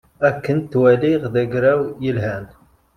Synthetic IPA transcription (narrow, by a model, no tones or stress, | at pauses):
ækːənt̪ːwæliʁðæɡɾæwjəlɦæn